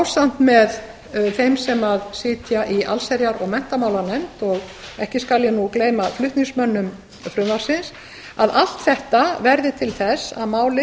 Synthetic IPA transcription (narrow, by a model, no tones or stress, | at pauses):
awsan̥t̪mɛð | θejmsɛmaðsɪːt̪jaʔiʔa̰lsɛɾjaɾɔɣmɛn̥t̪amaːwlaɾnɛmt̪ɔɣ | ɛhcɪskaljɛnukleːjmaflʏht̪niŋsmœnːʏm | fɾʏvaɾsɪns | aðal̥t̪θɛht̪avɛɾðɪt̪ʰɪlθɛsa̰ðmaːwlɪ